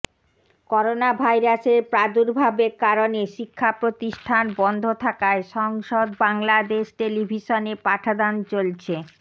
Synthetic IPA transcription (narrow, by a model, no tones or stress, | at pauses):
kɔɾonabʱajɾaʃeɾpɾad̪uɾbʱabekaɾoneʃikʰːapɾot̪iʃʈʰanbɔnd̪ʱot̪ʰakaeʃɔŋʃod̪baŋlad̪eʃʈelibʱiʃonepaʈʰad̪ant͡ɕolt͡ɕʰe